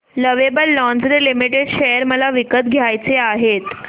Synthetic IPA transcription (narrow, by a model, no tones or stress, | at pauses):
ləʋebəlːɔ̃nd͡zɾilimiʈeɖɕejəɾməlaʋikət̪ɡʱjajt͡seaɦet̪